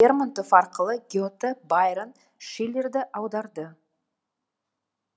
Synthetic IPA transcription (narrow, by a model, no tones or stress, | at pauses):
ermənt̪ofɑɾqəlˠəɡʲeot̪əbajɾən | ʃele̞ɾd̪ɪʔɑwd̪ɑɾd̪ə